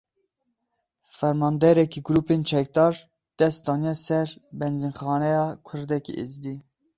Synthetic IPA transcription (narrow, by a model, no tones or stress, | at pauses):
fɛɾmɑːnd̪ɛɾɛkiɡuɾuːpent͡ʃʰɛk̚d̪ɑːɾ | d̪̥ɛst̪̚d̪ɑːnjɛsɛɾbɛnzinxɑːnɛjɑːkʰʊɾd̪ɛkḭʔezd̪i